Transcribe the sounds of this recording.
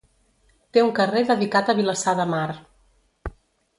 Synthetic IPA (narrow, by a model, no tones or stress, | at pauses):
t̪euŋkəreðəðikat̪əβiləsaðəmar